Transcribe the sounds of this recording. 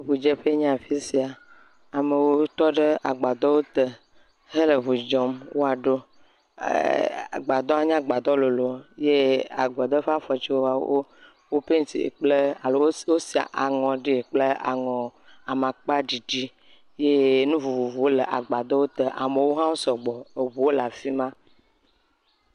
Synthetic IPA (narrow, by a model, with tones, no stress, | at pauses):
βu˨d͡ʒe˦ɸe˦ɲ̃˦a˨fi˦si˨a˨ | a˨me˨wo˦t̪ɔ˦ɖe˦a˨ɡ͡ba˨d̪ɔ˦wo˦t̪ə˨ | ɦe˦le˨βu˨d͡ʒɔ˨mwo˦a˨ɖo˦ | a̰˨ɡ͡ba˨d̪ɔ˦a˦ɲ˦ã˦ɡ͡ba˨d̪ɔ˦lo˨lo˨je˦a̰˨ɡ͡bɔ˨d̪ɔ˦ɸe˦a˦fɔ˨t͡ʃi˦wo˦a˨o˦ | wo˦pe˦ŋ˦t̪ḭ˨ḛ˨k͡ple˦˨lo˨˦wo˦si˨a̰˨ʔa˨ŋɔ̃˨ɖi˦e˨k͡ple˦a̰˨ŋɔ̃˨a˨mã˨k͡pa˦d͡ʒi˨d͡ʒi˦ | je˦nũ˦vu˨vu˨vu˨wo˦lə˨ʔa˨ɡ͡ba˨d̪ɔ˦wo˦t̪ə˨ʔa˨me˨wo˦ɦã˦wo˦sɔ˨ɡ͡bɔ˨e˨vu˨wo˦la˨fi˦mã˦